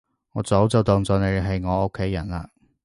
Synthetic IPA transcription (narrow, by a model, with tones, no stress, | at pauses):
ŋɔː˨˥t͡so˨˥wt͡sɐ˨wt̪ɔ˨ŋt͡sɔː˨ne˨˧ɦɐ˨jŋɔː˨˧o˥kʰːe˨˥jːɐ˨˩nla̰ː˨˧